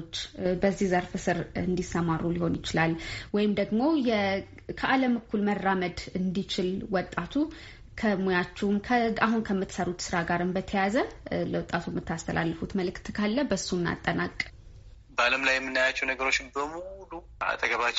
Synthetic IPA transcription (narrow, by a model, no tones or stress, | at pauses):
t͡ʃːbəzːihzəɾfɨsɨɾɨnd̪isːəmarːuliho̞njɪt͡ʃɪlalwɔjɪmd̪əɡmo̞jɛ | kʰəʔaləmɨkʰːulmərːaməd̪ɨnd̪it͡ʃɪlwɔt̪ʼːat̪ʰu | kʰəmojat͡ʃːɛwmkʰəaɦunkʰəmːɨt̪səɾut̪sɨɾaɡaɾɨmbət̪ʰəjazələwɔt̪ʼːat̪ʰumːɨt̪ʰːast̪ʰə̰lʔa̰lːəfut̪məlɨkt̪kʰalːəbəsunːa̰t̪ʼːənakʼː | bəaləmlajːɛmːɨnːajat͡ʃːɛwnəɡəɾo̞t͡ʃːmbəmulu | a̰t̪ʼəɡəβat͡ʃː